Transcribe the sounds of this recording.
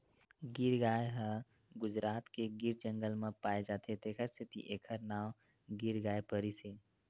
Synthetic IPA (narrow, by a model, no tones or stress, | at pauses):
ɡiɾɡaːjɦə | ɡʊd͡ʒɾaːt̪keɡiɾd͡ʒə̃ŋɡəlmẽpaːed͡ʒaːt̪ʰet̪ʰeːkʰəɾst̪ʰɪt̪ḭʔeːkʰəɾnaːm | ɡiɾɡaːjpəɾise